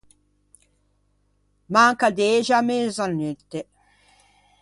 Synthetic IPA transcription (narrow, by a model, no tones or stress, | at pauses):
maŋkad̪eʒamezanːyt̪ːe